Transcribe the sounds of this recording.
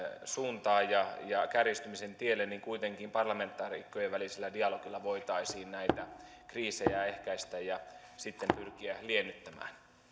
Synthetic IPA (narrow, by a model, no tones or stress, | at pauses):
suːnt̪ɑːjjɑjɑkærist̪ymisent̪ielːenniŋkuit̪eŋkiːmpɑrlɑme̞nt̪ːˑɑːrikːojeʋælisilːædiɑloɡ̥ilːɑʋoit̪ɑisiːnnæit̪æ | kriːsejæehkæist̪æjjɑ | sit̪ːempyrkiælienːyt̪ːæmæ̰ːn